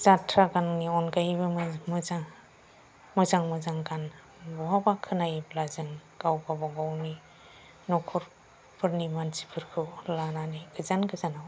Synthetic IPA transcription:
z̥atʰɾaɡanniɔnkajbɯmmɯzaŋ | mɯzaŋmɯzaŋɡan | bɔɦabakʰːɯnajblazɯŋɡ̥awbabaɡawni | nɔkʰɔɾ | pʰɯɾnimansi̥pʰɯɾkʰɯwlananiɡɯzanɡɯzanaw

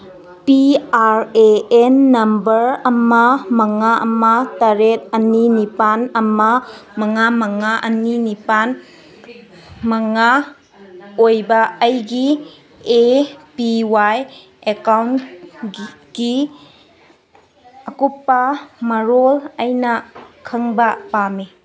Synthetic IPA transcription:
piaɾeenːɐmbɐɾɐmamɐŋaʔɐmataɾet̚ɐninipanɐmamɐŋamɐŋaʔɐninipan | maŋa | ojbɐːjɡi | epiwaj | ekawn | ɡ̥i | ɐkupːamɐɾolɐjnɐkʰɯŋbɐpami

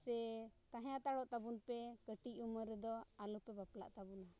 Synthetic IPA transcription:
sɛt̪aɦjãt̪aɽɔʔt̪abunpɛkəʈiuməɾɛd̪ɔalɔpɛbapla̰ʔt̪abuna

